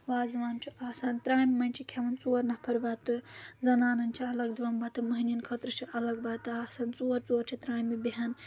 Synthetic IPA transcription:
ʋaːzʋaːnt͡ʃʰiaːsaːnt̪ɾaːjmimɐnʲt͡ʃʰikʲʰɐʋɐnt͡suːɐɾnɐpʰɐɾbat̪ːɨzɐnaːnɐnt͡ʃʰiɐlɐɡd̪uʋɐmbat̪ːɨmɐɦinʲinkʰɐt̪ɾɨt͡ʃʰiʔɐlɐɡ̚baːt̪ɨaːsaːnt͡suːɐɾt͡soɐɾt͡ʃʰit̪ɾaːjmibiɦɐn

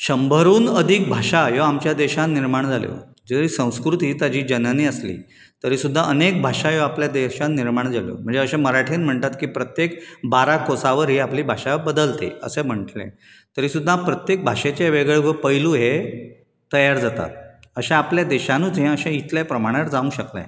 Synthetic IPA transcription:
ɕəmbʱəɾuːnəd̪ʱik̚bʱaʂajoamt͡ɕjad̪eɕãnnːiɾmaɳ̃d͡zʱaljo̰ | d͡zəiːsə̃w̃skɾut̪ɦiːt̪jad͡ʑiːd͡ʑənəniəslḭː | t̪əɾiːsud̪ʱːaʔənek̚bʱaʂajoapljad̪eɕãnnːiɾmaɳ̃d͡zʱaljo̰m̤əɳd͡zeəɕãməɾaʈʰiːnm̤əɳt̪at̪kiːpɾət̪jekbaɾakosaʋəɾɦiːapliːbʱaʂabəd̪əlt̪ḛə̰sem̤əɳʈlḛ̃ | t̪əɾiːsud̪ʱːapɾət̪jek̚bʱaɕet͡ɕaʋeɡɭeʋəpəjluːɦe | t̪əjaɾd͡zat̪a̰t̪̚əɕãapljad̪eɕanũːt͡sɦɛ̃əɕãit̪ljapɾəmaɽ̃jaɾd͡zaũɕəkla̰

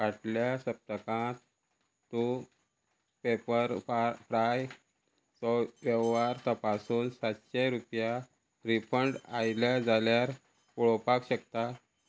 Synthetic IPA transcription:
kaʈljasəp̚t̪əkãt̪ | t̪u | pepəɾfɾaj | t̪ɔʋəʋʋaɾt̪əpasuːnsat̪ɕeɾupja | ɾipʰəɳɖajlad͡zʱaljaɾ | puɭopakɕək̚t̪a

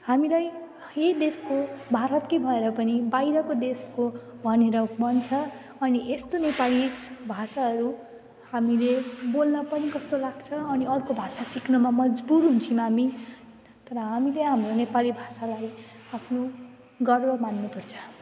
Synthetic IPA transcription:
hamilaj | ed̪eskobʱaɾʌt̪kʌjbʱʌeɾʌpʌnibajɾʌkod̪eskobʱʌneɾʌbʌnt͡sʰʌ | ʌniʔest̪onepalibʱasaɦʌɾu | hamilebolnʌpʌnikʌst̪olaɡt͡sʰʌːniʌrkobʱasasiknumamʌd͡zbuɾɦunt͡sʰimami | t̪ʌɾʌɦamileɦamronepalibʱasalaj | apʰno | ɡʌrbʌmanːupʌrt͡sʰʌ̥

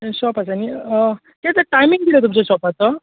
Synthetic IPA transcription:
sɔpat͡sani | k̪et̪aʈajmiŋd̪iɾet̪umt͡sesɔpat͡s̪ʌ

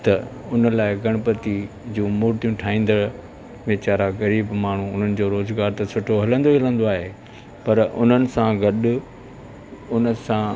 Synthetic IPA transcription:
t̪ɐʊnə̆laːɪɡɐɽ̃ʊpɐt̪i | d͡ʑũːmoːɾt̪ijũʈʰaːĩːn̆d̪ə | ʋet͡ɕaːɾaɣɐɾiːbmaːɳ̤ũʊn̤ənɪ̆d͡ʑoːɾoːzɡaːɾt̪ɐsʊʈʰoɦɐlə̃nd̪oiɦɐlə̃nd̪oaːɦe | pɐɾʊ̰n̤ənɪ̆sãɡɐɗʊ | ʊnəsã

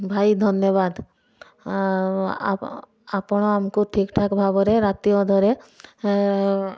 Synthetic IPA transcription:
bʱajd̪ʱɔnjɔbad̪ | a̰ | apɽ̃ɔamkuʈʰikʈʰakbʱabɔɾeɾat̪ijɔd̪ʱɔɾe

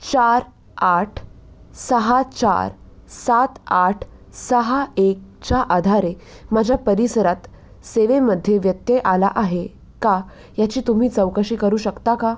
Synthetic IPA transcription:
t͡ɕaɾ | aʈʰ | səɦat͡ɕa̰ɾ | sat̪aʈʰsəɦaek̚t͡ɕaʔad̪ʱaɾemad͡ʑʱjapəɾisəɾat̪ | seʋeməd̪ʱːjeʋjət̪jeʔala̰ʔaɦe | ka | jat͡ɕiːt̪um̤iːt͡səwkəɕiːkəɾuːɕəkt̪aka

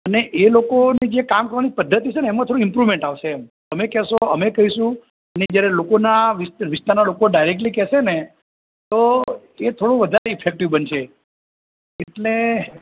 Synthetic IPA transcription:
əneʔelokonid͡ʒekamkəɾʋanipəd̪ʱːət̪it͡ʃʰeneːmãt̪ʰoɽ̃ɪmpɾuʋmẽɳʈaʋʃeːmt̪əmekɛʃoəmekəɦiʃũ | əned͡ʒjaɾelokonaʋɪsʋɪst̪aɾnalokoɖaiɾek̚ʈlikɛsene | t̪o | et̪ʰoɽũʋəd̪ʱaɾeɪfʰek̚ʈiʋbənʃʰe | eʈle

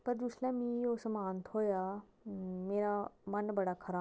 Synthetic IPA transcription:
pɐɾd͡ʒuslãmĩoːsmaːnt̪ʰɦoːja | meːɾamɐnbɐɽakʰɐɾaː

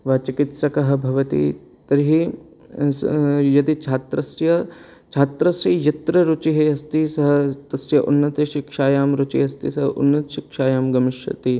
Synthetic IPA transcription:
ʋɐt͡ʃikɪt̪sɐkɐɦɐbʱɐʋɐt̪ḭ | t̪ɐɾɦi | jɐd̪it͡ʃʰaːt̪ɾɐsjɐ | t͡ʃʰaːt̪ɾɐsɐjɐt̪ɾɐɾʊt͡ʃiɦeɦɐst̪isɐɦɐt̪ɐsjɐʔṵnːɐt̪ɐʃɪkʂaːjaːmɾut͡ʃḭɦɐst̪ḭsɐɦɐʔʊ̰nːɐt̪ʃɪkʃaːjaːmɡɐmɪʃɐ̰t̪i

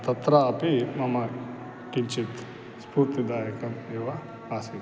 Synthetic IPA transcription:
t̪ɐt̪ɾɐːpimɐmɐ | kint͡ʃit̪ | spuɾt̪id̪aːjɐkɐmeːʋɐ | aːsi

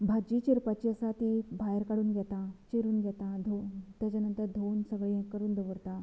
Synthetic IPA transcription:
bʱad͡ʑiːt͡ɕiɾpat͡ɕiəsat̪ibʱajəɾkəɽuːnɡʱjɛt̪at͡ɕiɾuːnɡjɛt̪ad̪ʱot̪jat͡ɕanənt̪əɾd̪ʱonsəɡɭiẽkːəɾuːnd̪əʋəɾt̪a

